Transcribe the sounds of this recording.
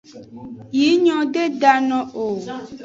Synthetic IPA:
ji˨˦ɲɔ̃˦ɖe˦ɖa˨nɔ̃˨o˨

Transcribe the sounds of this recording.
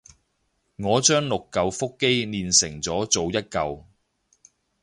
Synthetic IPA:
ŋɔː˨˧t͡ʃœː˥ŋlʊ˨kːɐ˧wfʊ˥kːe˥jniː˧nsɪ̰˨˩ŋt͡sɔː˨˥t͡so˨wjɐ˥t̚kɐ˧w

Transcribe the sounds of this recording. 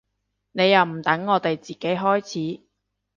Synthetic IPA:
ne˨˧jɐ˨˩wm̩˨˩t̪ɐ˨˥ŋːɔː˨˧t̪e˨jt͡siː˨˩ke˨˥jɦɔː˥jt͡sʰiː˨˥

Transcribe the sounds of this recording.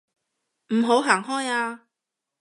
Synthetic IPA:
m̩˨˩ɦo˨˥wɦaː˨˩ŋɦɔː˥jaː˧

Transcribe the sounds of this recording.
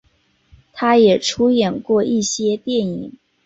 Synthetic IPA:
t̪ʰa˥jɛ˨˩ʈ͡ʂʰu˥jɛ˨˩nkwɔ˥˧ʔi˥˩ɕjɛ˥t̪jɛ˥˩ni˨˩˦ŋ

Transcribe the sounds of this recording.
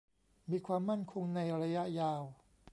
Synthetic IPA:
miː˧kʰwaː˧mːa˥˩nkʰo˧ŋna˧jɾa˧ja˦˥ʔjaː˧w

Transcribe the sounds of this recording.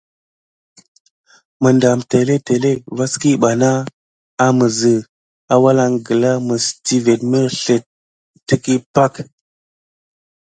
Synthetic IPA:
mə˨nda˨mte˨le˦te˨le˦va˦ski˦ɓa˨na˦ | a˦mə˨zə˨ | a˨wa˦la˦ŋɡə˨la˦mə˨sti˦ve˨tmə˦ɬe˨ | tːə˦ki˦pa˦˨k

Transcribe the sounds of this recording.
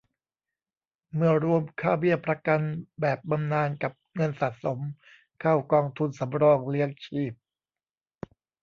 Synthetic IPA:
mɯ˧˥˩ɐɾu˧əmkʰaː˥˩wbi˥˩əpɾa˧ka˧nbɛː˨˩p̚ba˧mnaː˧nka˨˩p̚ŋɤ˧nsa˨˩t̪̚so˩˦m | kʰaː˥˩wkɔː˧ŋt̪ʰu˧nsa˩˦mɾɔː˧˩ŋli˦˥əŋt͡ɕʰiː˥˩p̚

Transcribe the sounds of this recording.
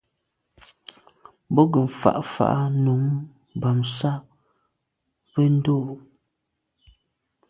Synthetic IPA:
bɔ˦ɡə˨m̩˨fa̰˨ʔfa̰˨ʔa˦nu˨˦ŋ | ba˨msa˦ | be˦n̩˦do˦˨˦

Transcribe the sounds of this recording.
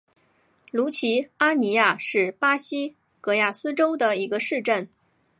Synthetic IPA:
lu˧˥t͡ɕʰi˧˥a˥ni˧˥ja˥˧ʂɻ̩˥˩pa˥ɕi˥ | kɤ˧˥ja˥˩sɹ̩˥ʈ͡ʂo˥ʊd̪ə˨i˧˥ɡə˧ʂɻ̩˥˧ʈ͡ʂə˥˩n

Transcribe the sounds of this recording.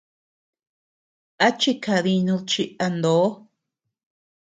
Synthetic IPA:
a˦t͡ʃi˦kʰa˧ði˧ɲũ˧t͡ʃi˧a˧nd̪o˨˦

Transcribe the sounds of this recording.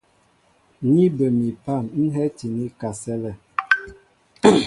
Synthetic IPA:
ɲi˦bə˨mi˨pa˦˨nn̩˦ɦɛ˦ti˨ni˦ka˨sɛ˦lɛ˨

